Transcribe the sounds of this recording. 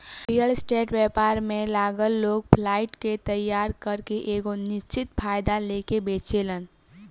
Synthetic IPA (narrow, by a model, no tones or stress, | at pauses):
ɾijəlsʈeːʈwɛpaːɾmẽlaːɡəlːoːɡ̚pʰlaːɪʈket̪əjːaːɾkəɾkeʔeːɡonɪst͡ʃɪt̪pʰaːjd̪alekebeːt͡ʃelən